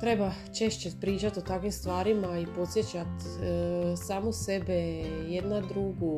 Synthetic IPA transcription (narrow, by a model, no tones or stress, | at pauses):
t̪ɾe̞ba | t͡ʃe̞ʃt͡ɕepɾiːt͡ʃat̪ot̪akʋimst̪ʋaːɾimaipo̞t̪sʲje̞t͡ɕat̪ | saːmose̞beje̞d̪nad̪ɾuɡu